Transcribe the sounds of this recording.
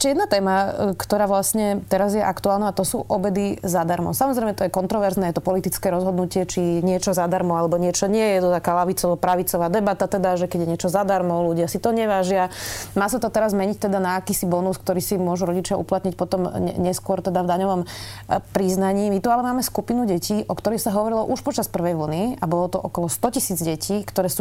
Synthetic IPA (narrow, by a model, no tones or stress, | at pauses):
ɛʃcɛjɛd̪nat̪ɛːmakt̪ɔɾaːʋlasɲɛt̪ɛɾazjɛʔakt̪uaːlnaːt̪ɔsuːʔɔbɛd̪izad̪aɾmɔ̰ʊsamɔzɾɛɪjmɛt̪ɔjɛkɔnt̪ɾɔʋɛɾznɛːjɛt̪ɔpɔlit̪it͡skɛːɾɔzɦɔd̪nucɪɛt͡ʃiɲɪɛt͡ʃɔzad̪aɾmɔalɛbɔɲɪɛt͡ʃɔɲɪɛjɛt̪ɔt̪akaːlaʋit͡sɔʋɔpɾaʋit͡sɔʋaːd̪ɛbat̪at̪ɛd̪aʒɛkɛɟjɛɲɪɛt͡ʃɔzad̪aɾmɔluɟɪasit̪ɔɲɛʋaʒɪamaːsat̪ɔt̪ɛɾazmɛɲict̪ɛd̪anaːkiːsibɔnuskt̪ɔɾiːsimʊɔʒuɾɔɟit͡ʃɪaʔṵplat̪ɲicpɔt̪ɔmɛɲɛskʊɔɾt̪ɛd̪avd̪aɲɔʋɔmpɾiznaɲiːmit̪ualɛmaːmɛskupinuɟɛciːʔɔkt̪ɔɾixsaɦɔʋɔɾilɔʔuʃpɔt͡ʃaspr̩ʋɛjʋl̩niabɔlɔt̪ɔʔɔkɔlɔst̪ɔcisiːd͡zɟɛciːkt̪ɔɾɛːsu